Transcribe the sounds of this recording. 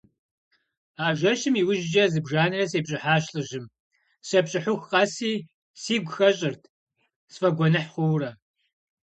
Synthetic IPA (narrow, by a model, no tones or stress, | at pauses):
aːʒʷɐʃɪmiːwʊʒd͡ʒɐzɨbʒaːnɨrɐseːpɕʼɪħaːʃɬɨʒɪm | sɐpɕʼɪħʊxqɑːsiː | siːɡʷxɐɕʼɪrtʰ | sfɐɡʷɔnɨħχʷʊwrɐ